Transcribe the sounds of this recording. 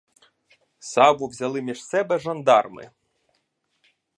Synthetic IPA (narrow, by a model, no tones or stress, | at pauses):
sɑʋʊwzʲɐlˠɪmʲiʐsɛbɛʒɐnd̪ɑrmɪ̰